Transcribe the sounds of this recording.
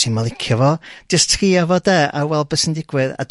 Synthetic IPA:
inmalˠɪkʰjɔvɔd͡ʒ̥əstʰriavɔdɛːa̰wɛlˠbəsəndɪɡwɨða̰d

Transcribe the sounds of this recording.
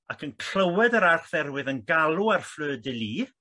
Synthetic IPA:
akʰənkʰl̥əwɛdəɾarχðɛrwɨðənɡalˠuarfløːdɪlˠiː

